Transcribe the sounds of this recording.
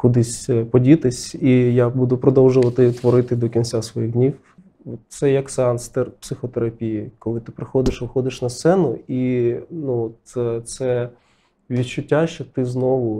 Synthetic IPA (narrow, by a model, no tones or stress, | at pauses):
kʊd̪ɪsʲpɔdʲit̪ɪsʲijabud̪ʊpɾɔd̪ɔwʒʊʋɐt̪ɪt̪ʋɔɾɪt̪ɪd̪ɔkʲinʲt͡sʲasʋɔjiɣdʲnʲiw | ɔt̪t̪sɛjɐksɑnst̪ɛrpsɪxɔt̪eɾɐpʲijikɔlˠɪt̪ɪpɾɪxɔd̪ɪʃʋɪxɔd̪ɪʃnɐst̪sɛnʊinuɔt̪t̪sɛ | ʋʲid̪t͡ʃʊtʲːaʃt͡ʃɔt̪ɪznɔʋʊ